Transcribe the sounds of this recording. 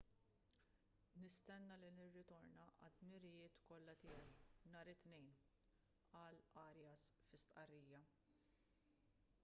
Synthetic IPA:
nɪst̪ɛnːɐlinɪrːɪt̪ɔɾnɐʔɐd̪mɪɾɪjɪːt̪kɔlːɐt̪ɪːjɛwnɐːɾɪt̪nɛjn | ɐlɐːɾjɐsfɪst̪ʔɐrːiːjɐ

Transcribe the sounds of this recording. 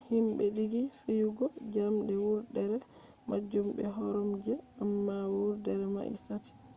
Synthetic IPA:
himɓɛɗiɡifijuɡɔd͡ʒamdɛwuɾdɛɾɛ | mʔa̰d͡ʒumbɛɦɔɾɔmd͡ʒɛ | amːawuɾdɛɾɛma̰ʔḭsati̥

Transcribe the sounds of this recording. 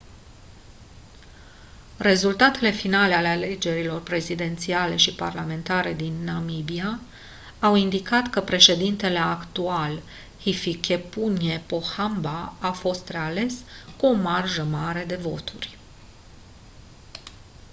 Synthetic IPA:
re̞zult̪at̪e̞le̞finale̞ale̞ale̞d͡ʒe̞ɾilo̞rpɾe̞zid̪e̞nt̪siale̞ʃipa̰rlame̞nt̪aɾe̞d̪inːamibia | awind̪ikat̪kəpɾe̞ʃe̞d̪int̪e̞leakt̪ual | hifikʰe̞punjepo̞hambaafo̞st̪re̞ale̞skuo̞marʒəmaɾe̞d̪e̞vo̞t̪urʲ

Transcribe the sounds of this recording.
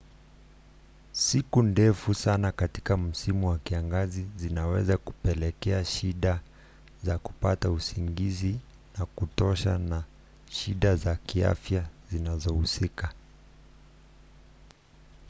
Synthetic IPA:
sikundɛfusanakati̥kam̩simuwakiaŋɡazizinawɛzaku̥pɛlɛkɛaʃiɗa | zaku̥pa̰tausiŋɡizi | nakutɔʃana | ʃiɗazakia̰fjazinazɔhusika

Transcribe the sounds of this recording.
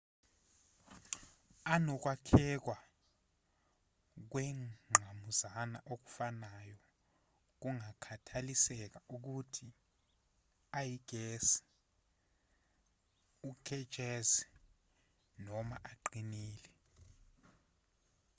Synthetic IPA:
anɔk̬wakʰɛk̬wa | k̬wɛŋ͡ǃʱamuzana̰ʔok̬u̥fanajɔ | k̬uŋakʰatʰalisɛk̬aʔuk̬utʰi | ajiɡ̥ʱɛsɛ̥ | ukʰɛ̥ʒ̥ʼʱɛzɛ | nɔma̰ʔaǃiniːlɛ

